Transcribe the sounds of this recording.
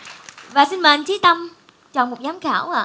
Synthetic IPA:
vaː˨˩si˧nmə˨ʔa˧jŋt͡ɕi˨˦t̪ə˧m | t͡ɕɔ̰˨˩nmo˨˩t̚ɲaː˨˦mxaː˧˩waː˧˨

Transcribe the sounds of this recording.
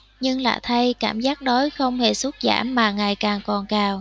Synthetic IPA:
ɲɨ˧ŋla̰ː˧˨˩t̪ʰə˧jkaː˧˩mzaː˦˥k̚ɗo˨˦jxə˧wŋ͡mhe˧˩su˦˥t̚za̰ː˧˩mːaː˨˩ŋaː˨˩jkaː˨˩ŋkɔ˨˩nkaː˨˩w

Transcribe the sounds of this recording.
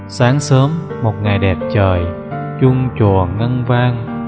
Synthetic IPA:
saː˨˦ŋsəː˨˦m | mo˨˩t̚ŋa˨˩jɗɛ˨˩p̚t͡ɕəː˨˩j | t͡ɕʊ˧ŋ͡mt͡ɕu˨˩ənŋə˧nvaː˧ŋ

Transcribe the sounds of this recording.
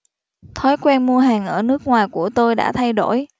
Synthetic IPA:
t̪ʰɔ˨˦jkwɛ˧nmu˧əɦaː˨˩ŋʔəː˧˩nɨ˦˥ək̚ŋwaː˨˩jku˧˩ət̪o˧jɗa̰ː˧˥t̪ʰa˧jɗo̰˧˩j

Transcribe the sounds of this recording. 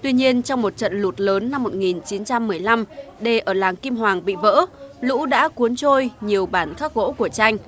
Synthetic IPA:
t̪wi˧ɲi˧ənt͡ɕɔ˧wŋ͡mmo˨˩t̚t͡ɕə̰˧˨nlu˨˩t̚ləː˨˦nːa˧mːo˨˩t̚ŋi˨˩nt͡ɕi˨˦nt͡ɕa˧mːɨ˨˩əjla˧mɗe˨˩ʔəː˧˩laː˨˩ŋki˧mɦwaː˨˩ŋɓḭ˧˨və̰ː˧˥lṵ˧˥ɗa̰ː˧˥ku˨˦ənt͡ɕo˧jɲi˨˩əwɓaː˧˩nxaː˦˥k̚ɣo̰˧˥ku˧˩ət͡ɕa˧jŋ̟

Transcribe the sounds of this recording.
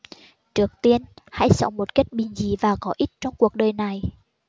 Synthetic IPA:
t͡ɕɨ˨˩ək̚t̪i˧ənha̰˧˥jsə̰˧˦wŋ͡mmo˨˩t̚ke˦˥t̚ɓï˨˩ŋ̟zi˨˦vaː˨˩kɔ˨˦ʔi˦˥t̚t͡ɕɔ˧wŋ͡mku˨˩ək̚ɗəː˨˩jna˨˩j

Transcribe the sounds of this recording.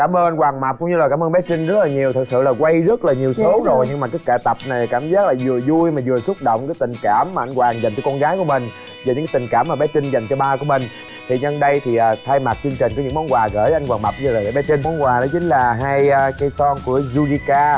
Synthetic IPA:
kaː˧˩mʔəː˧nʔa˧ŋ̟kwaː˨˩ŋma˨˩p̚kʊ˧˦ŋ͡mɲɨ˧la˨˩kaː˧˩məː˧nɓɛ˨˦˥kï˧ŋ̟zə˦˥t̚laː˨˩ɲi˨˩əwt̪ʰɨ˨˩t̚sɨ̰˧˨laː˨˩kwa˧jzə˦˥t̚laː˨˩ɲi˨˩əwso˨˦zo˨˩jɲɨ˧ŋmaː˨˩kaː˨˦jkɛ˧˩t̪ə˨˩p̚na˨˩jkaː˧˩mzaː˦˥k̚laː˨˩zɨ˨˩əzu˧jmaː˨˩zɨ˨˩əsʊ˦˥t̚ɗə̰˧˨wŋ͡mkaː˨˦jt̪ï˨˩ŋ̟kaː˧˩mːaː˨˩ʔa˧jŋ̟kwaː˨˩ŋzŋ̟k̪əː˧˦kɔ˧nɣaː˨˦jku˧˩əmï˨˩ŋ̟ | zːɲɨ̰˧˥ŋkːt̪i˨˩ŋ̟kaː˧˩mːaː˨˩ɓɛ˨˦t͡ɕi˧ŋ̟za˨˩jŋ̟t͡ɕɔ˧ɓaː˧ku˧˩əmï˨˩ŋ̟ | t̪ʰi˨˩ɲə˧nɗə˧jt̪ʰi˨˩ʔəː˨˩t̪ʰaː˧jma˨˩t̚t͡ɕɨ˧əŋt͡ɕi̟˨˩kɔ˨˦ɲɨ̰˧˥mɔ˨˦nkwaː˨˩ɣəː˧˩ʔa˧ŋkwaː˨˩ma˨˩k̚ɲɨ˧laː˨˩jəː˧˦ɓɛ˨˦t͡ɕï˧ŋ̟mɔ˨˦nkwaː˨˩ɗɔ˨˦t͡ɕï˨˦ŋ̟laː˨˩ɦaː˧jːkaː˨˦jt̪ɔ˧nku˧˩əzu˧ɗi˧kaː˧

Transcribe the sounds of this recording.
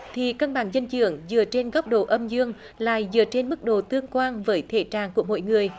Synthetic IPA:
t̪ʰi˨˩kə˧nɓaː˧˩ŋzə˧nt͡ɕɨ̰˧˩˦əŋzɨ̰˧˩ət͡ɕe˧nɣɔ˦˥p̚ɗo̰˧˩ʔə˧mzɨ˧əŋ | la̰ː˧˨jzɨ̰˧˨ət͡ɕe˧nmɨ˦˥k̚ɗo̰˧˨˩t̪ɨ˧əŋkwaː˧nvəː˨˦jt̪ʰe˧˩t͡ɕaː˨˩nku˧˩əmo̰˧˨jŋɨ˨˩əj

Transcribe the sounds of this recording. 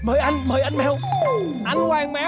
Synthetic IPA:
məː˨˦jʔa˧jŋ̟məː˨˦jʔa˧jnmɛ˧w | a˧a˧˩ŋmɛ˨˦

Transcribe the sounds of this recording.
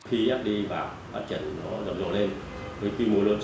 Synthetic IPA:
xi˧ʔɛ˦˥p̚ɗi˧vaː˨˩w | fa̰ː˦˥t̚t͡ɕə̰˧˩nːɔ˨˦zə˨˩mzo̰˧˨le˧n | və˨˦jxi˧mu˨˦əlɨ˧ə

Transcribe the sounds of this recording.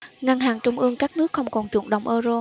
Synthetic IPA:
ŋa˧ŋɦaː˨˩ŋt͡ɕʊ˧ŋ͡mʔɨ˧əŋkaː˦˥k̚nɨ˦˥ək̚xə˧wŋ͡mkɔ˨˩nt͡ɕṵ˧˩ənɗə̰˧˨wŋ͡mʔəː˧zo˧

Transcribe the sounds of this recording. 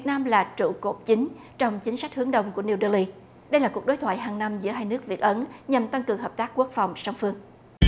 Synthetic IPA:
vi˨˩ət̚naː˧mlaː˨˩t͡ɕṵ˧˨ko˨˩p̚t͡ɕï˨˦ŋ̟ | t͡ɕɔ˧wŋ͡mt͡ɕï˨˦ŋ̟sa˦˥k̚hɨ˨˦ŋɗə˨˩wŋ͡mku˧˩əni˧wɗəː˧li˧ | ɗə˧jlaː˨˩ku˨˩ək̚ɗo˨˦t̪ʰwa̰ː˧˨jɦaː˨˩ŋna˧mzɨ̰˧˥əɦaː˧jnɨ˦˥ək̚vi˨˩ət̚ʔə˨˦nɲa˨˩mt̪a˧ŋkɨ˨˩əŋɦəː˨˩p̚t̪aː˦˥k̚ku˦˥ək̚fa˨˩wŋ͡msa˧wŋ͡mfɨ˧əŋ

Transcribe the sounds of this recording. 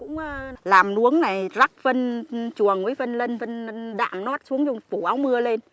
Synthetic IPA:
kʊ̰˧˥ŋ͡mːlaː˨˩mnu˨˦əŋna˨˩jza˦˥k̚və˧nt͡ɕu˨˩əŋvəː˨˦jvə˧nlə˧nvə˧n˧ɗa̰ː˧˨mno˦˥t̚su˨˦əŋt͡ɕʊ˧ŋfu˧˩ʔa˨˦wmɨ˧əle˧n

